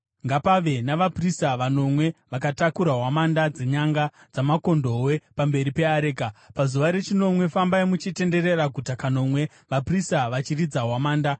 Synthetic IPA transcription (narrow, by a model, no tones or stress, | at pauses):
ŋɡapaʋe̞naʋapristaʋano̞mwe̞ʋakatakuɾaɦwamandad͡ze̞ɲaŋɡa | d͡zamako̞ndo̞we̞pambe̞ɾipe̞aɾeːkapazuʋaɾe̞t͡ʃino̞mwe̞fambaimut͡ʃite̞nde̞re̞raɡʱutakano̞mwe̞ | ʋapristaʋat͡ʃirid͡zaɦwamaːnda